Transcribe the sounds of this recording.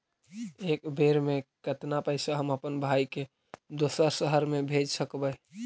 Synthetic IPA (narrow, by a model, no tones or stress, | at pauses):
ekbeɾmekət̪napəɪsaɦəməpənbʱajke | d̪osəsəɦəɾmebʱed͡ʒsəkbə